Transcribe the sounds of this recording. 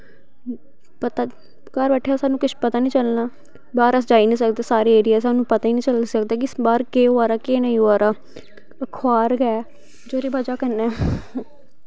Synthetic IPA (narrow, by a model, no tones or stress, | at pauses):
pət̪aː | kəɾbɛːʈʰːjaːsaːnũːkɪt͡ʃpət̪aːnĩːt͡ʃəlnaː | baːɾəsd͡ʒaːiːnĩːsəkd̪eːsaːɾeːeːɾiaːs̬aːnũːpət̪aːiːnĩːt͡ʃəlsəkd̪aːkɪɪsbaːɾkeːoaːɾaːkeːnaĩaːɾaː | əkʰwaːɾɡɛɛː | d͡ʒoːɾiːbəd͡ʒaːkənːɛː